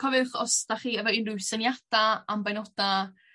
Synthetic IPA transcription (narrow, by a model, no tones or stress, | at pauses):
kʰɔvɨχɔsd̥aχiːəvɔinrʊwsənjad̥aambajnɔda